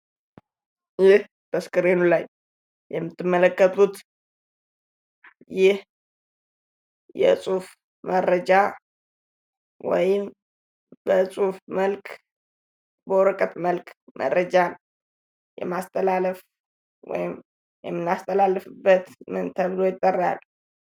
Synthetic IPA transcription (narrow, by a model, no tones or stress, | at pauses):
jɪh | b̥əskʼɨɾenulaj | jɛmːɨt̪ːɨmːələkʼːət̪ʼut̪ | jɪh | jɛ̰sʼuf | məɾəd͡ʒa | wɔ̰jɪm | b̥əsʼufməlkʰʼ | bəɾəkʼət̪məlkʰʼmʔə̰ɾəd͡ʒan | jɛ̰mast̪ʰʼəlaləf | wɔ̰jɪm | jɛmːɨnːast̪ʰəlalːɨfɨbːət̪mɨnt̪ʰəβlo̞jɪt̪ʼːərːa̰l